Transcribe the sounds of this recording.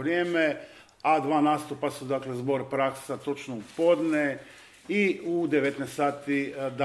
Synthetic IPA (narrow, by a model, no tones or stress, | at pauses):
ɾjeːme | ad̪ʋaːnaːst̪upasud̪aːklezbo̞ɾpɾakssat̪o̞t͡ʃnoupod̪ne | iud̪eʋet̪nejst̪aːt̪id̪a